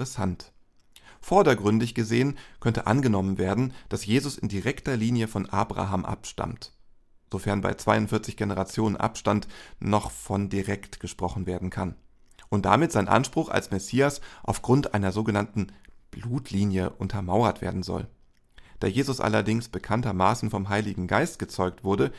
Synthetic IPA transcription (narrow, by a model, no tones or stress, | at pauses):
ʁəsant | fɔɐdɐɡʁʏndɪçɡ̥əzeːənkʰœntəʔa̰nɡənɔmənveːɐdn̩d̥asjeːzʊsɪndiʁɛktɐliːnjəfɔnʔa̰ːbʁa̰ɦaːmʔa̰pʃta̰mt | z̥ofɛɐnba̰ɪt͡sv̥aɪʊntfɪɐt͡sɪçɡ̥enəʁat͡sjoːnə̰nʔa̰pʃtantnɔχfɔndiʁɛktɡ̥əʃpʁ̥ɔχn̩veːɐdn̩kʰan | ʔʊnt̚d̥a̰mɪtz̥aɪnʔa̰nʃpʁ̥ʊxa̰lsmɛsiːasʔaʊfɡ̥ʁʊntʔaɪnɐzoːɡənantn̩b̥luːtʰliːnjəʔʊntʰɐmaʊɐtv̥ḛːɐdn̩zɔ̰l | d̥aːjeːzʊsʔa̰lɐdɪŋsb̥əkʰantɐmaːsn̩fɔmɦaɪlɪɡŋ̩ɡaɪstɡ̥ət͡sɔʏk̚tv̥ʊɐɾə